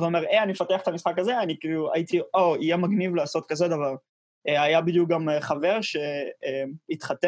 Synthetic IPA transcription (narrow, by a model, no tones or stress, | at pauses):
veomeʁeanimefat̪eaχet̪amisχakaze̞anikiːlua̰it̪ioijemaɡnivlaːso̞t̪̚kazed̪avaʁ | eajabid̪juk̚ɡameχave̞ʁʃeemit̪χat̪e